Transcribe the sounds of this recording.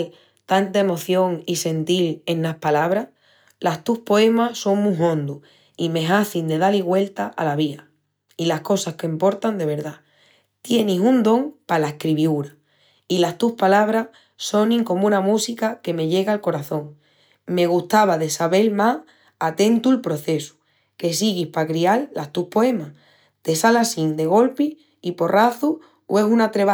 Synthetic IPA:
t̪ant̪ae̞mo̞θjo̞ŋise̞nt̪ile̞nːahpalaβ̞ɾa | last̪uhpo̞e̞maso̞ŋmũɦõ̞nd̪u | imẽ̞ɦaθind̪e̞ðaliɣwe̞lt̪aʔalaβ̞ia | ilahko̞sahkempo̞ɾt̪and̪e̞β̞e̞ɾða | t̪je̞nisund̪õ̞ŋpalaehkɾiβjuɾa | ilast̪uhpalaβ̞ɾa | so̞nĩŋko̞mũnamusikake̞me̞ʎe̞ɣalko̞ɾaθõ̞ŋ | me̞ɣ̞uht̪aβ̞aðe̞saβe̞lma | at̪ẽ̞nt̪uelpɾo̞θe̞su̥ | ke̞siɣihpakɾialːast̪uhpo̞e̞mah | t̪e̞salasind̪e̞ɣ̞o̞lpi | ipo̞rʔaθu | we̞sunat̪ɾe̞β

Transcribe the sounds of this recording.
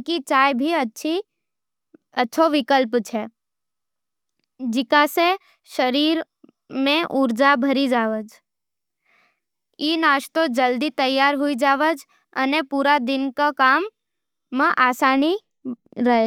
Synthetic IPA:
kit͡ʃaːjbʱiət͡ʃʰi | ətːʃʰoʋɪkəlpt͡ʃʰɛː | d͡ʒɪkase | ʃəɾiːɾ | mẽʔʊɾd͡ʒabʱəɾid͡ʒaːʋəd͡ʒ | inaːʃt̪od͡ʒəld̪it̪əjːaːɾɦʊid͡ʒaːʋəd͡ʒ | ə̰nepuːɾad̪ɪnkakaːmː | ə̃ʔaːsaːni | ɾəɦe

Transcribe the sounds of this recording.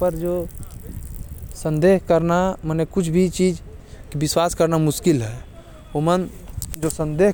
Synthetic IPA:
pəɾd͡ʒoː | sə̃nd̪eːɦkəɾnamənekʊt͡ʃʰbʱit͡ʃiːd͡ʒ | kibɪswaːskəɾnamʊskɪlɦɛː | omən | d͡ʒosə̃nd̪eː

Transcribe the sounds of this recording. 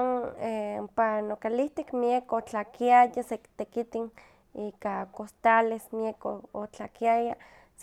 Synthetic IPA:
nempanokaliht̪ikmiekot͡ɬakiajasekt̪ekit̪in | iːkakost̪alesmiekoot͡ɬakiaja | s

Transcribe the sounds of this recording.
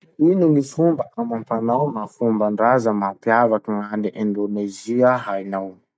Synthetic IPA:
ininifumbəʔamampanawmafumbaɳɖ͡ʐazəmapjavakəŋaniʔend̪oneziəɦajnaw

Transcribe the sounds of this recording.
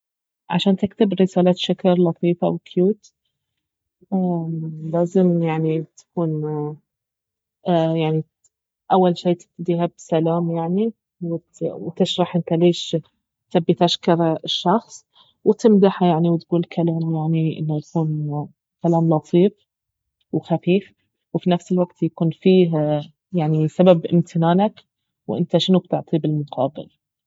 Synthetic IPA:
ʕa̰ʃaːnt̪ɪk̚t̪ɪbɾɪsaːlaːt̪ʃakɑɾˤlɑt̪ˤiːfʔa̰wkʰjuːt̪ | ʔalaːzɪmjaʕnit̪ḁkuːn | jaʕni | ʔawːalʃeːt̪ɪ̥t̪d̪iːɦabsalaːmjaʕni | wɪ | wt̪ɪʃɾˤɑħʔɪnt̪aleːʃ | t̪abːit̪aʃkɑɾˤɪʃːɑxsˤ | wt̪ɪmd̪aħajaʕniwt̪ɡuːlkʰalaːmjaʕniʔɪ̰nːojakuːn | kalaːmlɑt̪ˤʰiːf | wxafiːf | wfinafsɪlwaɡt̪jakuːnfiːɦ | jaʕnisababʔɪ̰mt̪ʰɪnaːnak | wʔɪnt̪aʃɪnub̚t̪ɪʕt̪ˤibɪlmʊqʰɑːbɪ̰l

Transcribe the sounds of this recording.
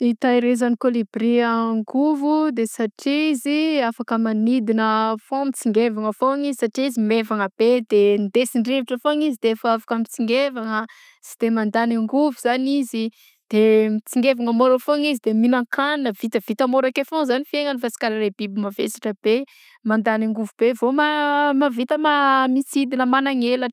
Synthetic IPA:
it̪aiɾezanikolibriaŋɡuvud̪esaʈ͡ʂiziafakəmanid̪inəfõmit͡siŋɡevaŋəfoŋizisaʈ͡ʂiizimevaŋəb̥ed̪end̪esiɳɖ͡ʐeviʈ͡ʂəfoŋizid̪eefaafakəmit͡siŋɡevaŋə | si̥d̪emand̪anaŋɡuvuz̥anizi | d̪̥emit͡siŋɡevaŋəmoɾəfoŋizid̪eminaŋkʰaninəvit̪əv̥it̪amoɾakefõzanifieŋənifasi̥kaɾaɾebibumavḛsḁʈ͡ʂəb̥e | mand̪aniŋɡuvubevomamavit̪əmamisid̪inəmanaŋelə

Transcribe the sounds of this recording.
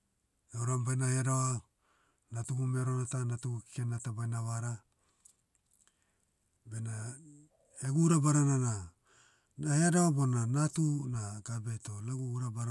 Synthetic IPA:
ewɾambajnaheadawa | natuɡumeɾonatanatuɡuki̥kenatabajnawaɾa | bena | eɡuɾabaɾanana | naheadawabonanatunaɡabejto̞leɡuɡuɾabaɾa

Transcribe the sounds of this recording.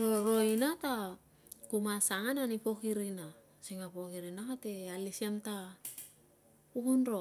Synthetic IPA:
ɾoɾo̞inata | kumasaŋananipo̞kiɾina | siŋapo̞kiɾinakate̞alisiamta | ukunɾo

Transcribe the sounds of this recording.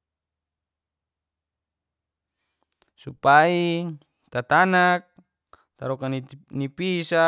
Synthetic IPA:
supai | t̪at̪anak̚ | t̪aɾɔkannipisa

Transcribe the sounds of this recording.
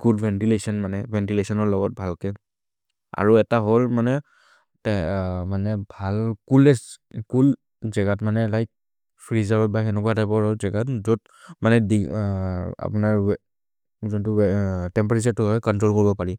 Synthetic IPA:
ɡudbʱɛntilesɔnmanɛbʱɛntilesɔnɔɹlɔɡɔt̚bʱalkɛ | a̰ɹuɛtaɦolmanɛ | manɛbʱalkulɛskul | zɛɡatmanɛlajk̚ | pʰɹizabɔtbajɛnɛkuatajpɔɹaɹuzɛɡatzɔt | manɛdi | a̰punaɹ | zɔntutɛmpɛɹesaɹtʊɦɔjkɔntɹɔlkoɹibɔpaɹi

